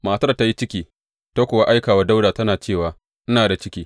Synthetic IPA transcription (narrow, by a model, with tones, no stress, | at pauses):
maː˨tɐ˦rta˦ji˦t͡ʃɪ˦kʲiː˦ | ta˦kʷʊ˨wa˦ʔa˦jkaː˨wa˦da˦wdaː˨tɐ˦naː˨t͡ʃeː˦˨waː˨ | ʔɪ˦naː˨da˨t͡ʃɪ˦kʲiː˦